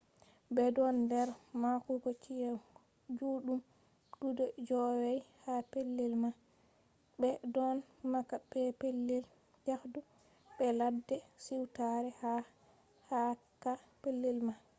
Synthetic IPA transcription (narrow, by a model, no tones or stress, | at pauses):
bɛdɔndɛɾmakuɡɔt͡ʃija | d͡ʒuːɗum | dudɔd͡ʒɔwɛjhapelːilma | bɛdɔnmakːabɛpelːil | jahdu | ɓɛladːɛsiwtaɾɛha | hakːapelːilma